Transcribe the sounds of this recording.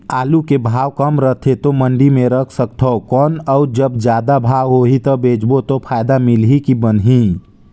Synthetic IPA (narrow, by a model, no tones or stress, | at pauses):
aːlukebʱaːwkəmɾət̪ʰet̪oməɳɖimẽɾəkʰsəkt̪ʰɔkɔːnəʊɾd͡ʒəbd͡ʒjaːd̪abʱaːwɦoɦit̪əbeːd͡ʒbot̪opʰaːjd̪amɪlɦikibənɦĩ